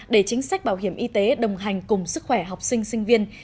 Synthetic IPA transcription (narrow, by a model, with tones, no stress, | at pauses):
ɗe˧˩t͡ɕï˨˦ŋ̟sa˦˥k̟̚ɓaː˧˩wɦi˧˩əmʔi˧t̪e˨˦ɗə˨˩wŋ͡mɦa˨˩jŋ̟kʊ˨˩ŋ͡msɨ˦˥k̚xwɛ˧˩ɦa˨˩wk͡p̚sï˧ŋ̟sï˧ŋ̟vi˧ən